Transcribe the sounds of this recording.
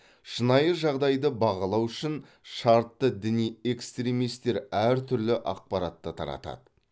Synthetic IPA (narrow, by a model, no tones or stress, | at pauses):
ʃənɑjəʒɑʁd̪ɑjd̪əbɑʁɑlˠɑwʏʃɪn | ʃɑɾt̪ːəd̪ɪnije̞kst̪ɾʲemijst̪e̞ɾæɾt̪ʰʏɾlɪʔɑq̚pɑɾɑt̪ːət̪ʰɑ̰ɾɑ̰t̪ɑ̰d̪ə